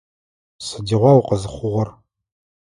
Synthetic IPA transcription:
sɨdiːʁʷɑwqəzɨχʷʊʁʷɐr

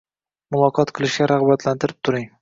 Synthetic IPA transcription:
mʊlˠɒqʰɒt̪qʰɨlˠɪʃɡʲaɾaʁbat̪lant̪ɪɾɪp̚t̪ʰʊɾɪŋ

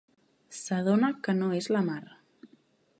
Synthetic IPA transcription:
saðonakənoezlamaɾ

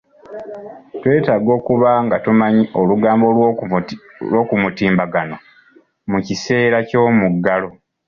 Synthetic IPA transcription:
twe̞ːtaːɡo̞ːkuβaŋɡatumaɲiʔo̞luɡaːmbo | lo̞ːkumutiːmbaɡano̞ | mucise̞ːɾaco̞ːmuɡːalo̞

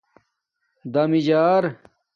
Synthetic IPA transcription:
d̪ɐmid͡ʑaːɾ

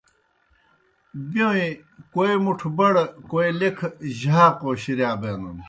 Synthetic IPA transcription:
bjowĩkoimuʈʰbɐɽkoilekʰʑaːqoːɕiɾjaːbenun

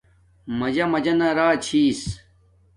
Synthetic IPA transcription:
mɐd͡ʑɐmɐd͡ʑɐnɐɾaːt͡ɕʰiːs

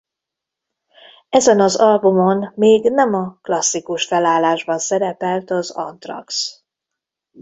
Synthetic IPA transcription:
ɛzɛnɒzɒlbumo̞nmeːɡnɛmɒklɒsːikuʃfɛlaːlːaːʒbɒnsɛɾɛpɛlt̪ɒzɒ̰nt̪rɒ̰ks

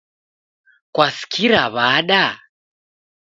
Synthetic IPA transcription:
kwasi̥kʰiɾaβaɗa

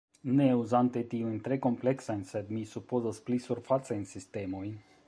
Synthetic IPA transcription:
neuzant̪et̪iujnt̪ɾe̞ko̞mple̞ksajnsed̪misupozasplisuɾfat͡sajnsist̪e̞mo̞jn

